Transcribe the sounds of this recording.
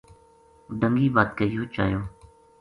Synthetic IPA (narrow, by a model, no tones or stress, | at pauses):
ɖəŋɡiːbaːt̪kəiːjoːt͡ʃa̰ːjoː